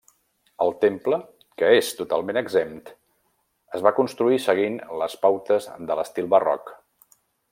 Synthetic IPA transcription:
əlˠt̪emplə | kəest̪ut̪a̰lˠmenəɡzemt̪ | əzβakunst̪ɾuisəɣ̞inləspawt̪əzðələst̪ilˠβərɔ̰k

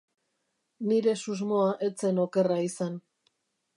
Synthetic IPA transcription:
niɾe̞suzmo̞aʔe̞t͡se̞no̞ke̞raisan

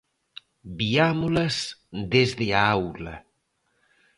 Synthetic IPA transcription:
biamolɐzd̪ezðeaawlɐ̰

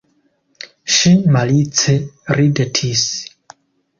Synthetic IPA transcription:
ʃinmalit͡sʰeridetʰis

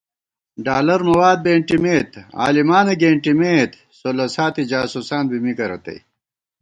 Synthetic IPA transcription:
ɖaːlɐɾmɐwaːd̪̚beːɳʈimeːt̪a̰ːlimaːneɡeːɳʈimeːt̪ | solɐsaːt̪id͡ʑaːsusaːnbimikɐɾɐt̪ḛj

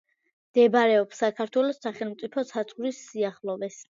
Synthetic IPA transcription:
md̪̥ɛbaɾɛɔpsakʰaɾt̪ʰwɛlɔsːaχɛlˠmt̪sʼipʰɔsʰat̪sʼɡɾisːiaχlɔvɛs

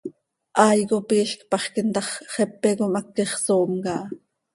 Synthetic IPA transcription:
ʔɑːjkopiːɬkpɑχkint̪ɑχχɛpːekomɑkːiχsoːmkɑ

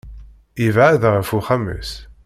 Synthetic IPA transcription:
ivʕæðʁəfuχæmə̰s

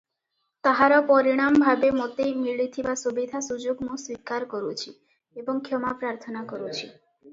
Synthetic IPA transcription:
t̪aɦaɾapɔɾiɽ̃ambʱabemot̪ejmiɭit̪ʰibasubid̪ʱasud͡ʑoɡmoswikaɾkoɾut͡ɕʰi | eboŋkʰomapɾaɾt̪ʰonakoɾut͡ɕʰi

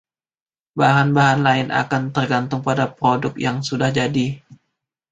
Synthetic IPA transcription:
baɦanbaɦanlaɪnʔa̰kant̪ərɡant̪ʊŋpadapɾodʊk̚jaŋsudahd͡ʒadi

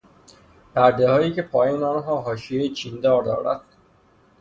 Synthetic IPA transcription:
pæɾd̪ehɒːjiːcʰe̞pʰɒːjiːnɒːnɦɒːɦɒːʃiejt͡ʃʰiːnd̪ɒːɾd̪ɒ̰ːɾæ̰d̪̥

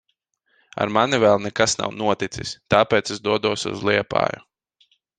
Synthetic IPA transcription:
a̰ɾmanivɛːlˠnɛkasna̰wnuɔt̪it̪sist̪aːpɛːt̪sezd̪uɔd̪uɔsṵzlˠiɛpa̰ːjṵ

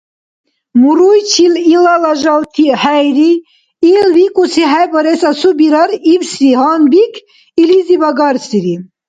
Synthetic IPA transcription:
muɾujt͡ʃʰililalɑʒɑlt̪ʰihɛjɾi | ilwikʼusiɦɛjbɔɾɛsasubiɾɑɾivsihɑnbikʰ | ilizibɑɡɑɾsiɾi

